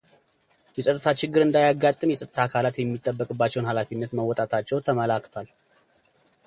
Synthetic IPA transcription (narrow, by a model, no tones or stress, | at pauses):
jɛsʼət̪ʼɨt̪ʰat͡ʃɪɡːɨɾɨnd̪ajaɡat̪ʼːɨmjɛsʼət̪ʼt̪ʰakʰalat̪jɛmːit̪ʼːəbːəkʼɨbːat͡ʃːɛwnhalafinːət̪məwɔt̪ʼat̪ʰat͡ʃːɛwt̪ʰəməlakːt̪ʰwal